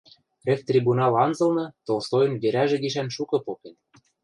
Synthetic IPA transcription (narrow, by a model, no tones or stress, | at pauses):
rĕkt̪rʲibunɑlɑnzɤ̆lnɤ̆t̪olsojɤ̆nβeɾæʒĕɡiʃænʃukɤ̆poken